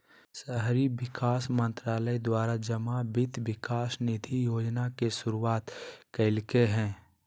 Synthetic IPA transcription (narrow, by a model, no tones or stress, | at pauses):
səɦɾiʋɪkaːsmə̃nt̪ɾaːləid̪waːɾad͡ʒəmabɪt̪ʋɪkaːsnɪd̪ʱijoːd͡ʒnakesʊɾuaːt̪kəɪlkeɦɛ̃ː